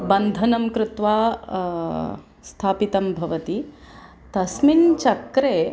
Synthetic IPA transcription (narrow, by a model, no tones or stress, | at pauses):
bɐnd̪ʱɐnɐmkɾɪt̪ʋaː | st̪ʰaːpit̪ɐmbʱɐʋɐt̪i | t̪ɐsmint͡ʃɐkɾeː